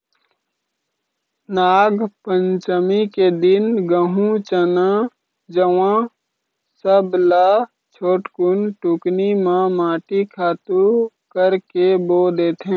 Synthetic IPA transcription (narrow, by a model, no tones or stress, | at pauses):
naːɡpə̃ɲt͡ʃəmiked̪ɪnɡəɦũt͡ʃənã | d͡ʒəʋãː | səblaː | t͡ʃʰoːʈkʊnʈuknimãmaːʈikʰaːt̪u | kəɾkeboːd̪eːt̪ʰɦẽː